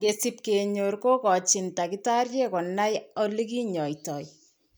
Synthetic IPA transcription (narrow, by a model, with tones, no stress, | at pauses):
kesip̚keɲo˨rko˦kɔ˨t͡ʃɪntakita˦rje˦kɔ˨na˦jɔ˦li˦ki˦ɲɔ˨jtɔ˨j